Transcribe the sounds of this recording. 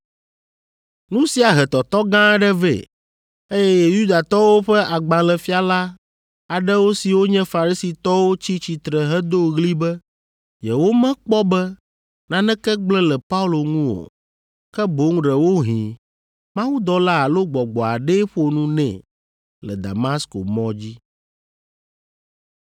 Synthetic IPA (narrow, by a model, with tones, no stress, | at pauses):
nũ˦si˨a˨ɦɛ˨t̪ɔ˨t̪ɔ˦ɡã˦ɖɛ˦vḛ˨ | e˦jɛ˦jɛ˨ju˦d̪a˨t̪ɔ˦wo˦ɸɛ˦ʔa˨ɡ͡bã˨lɛ˨fi˦a˨la˦ | a˨ɖɛ˦wo˦si˨wo˦ɲɛ̃˦fa˨ɾi˦si˨t̪ɔ˦wo˦t͡ɕi˦t͡ɕi˨t̪ɾɛ˨ɦɛ˦d̪o˦ɣli˦bɛ˦ | jɛ˨wo˦mɛ̃˦k͡pɔ˦bɛ˦ | nã˨nɛ̃˦kɛ˦ɡ͡blɛ˦lɛ˨pa˦u˦lo˨ŋũ˦wo̰˨ | kɛ˦bo˨˦ŋ˦ɖɛ˨wo˦ɦĩ˨ | mã˦wu˦d̪ɔ˦la˦a˨lo˦ɡ͡bɔ˨ɡ͡bɔ˨a̰˨ɖɛ˦ɸo˨nũ˦nɛ̰̃˨ | lɛ̰˨d̪a̰˨ma˦sko̰˨mɔ̃˦d͡ʑi˦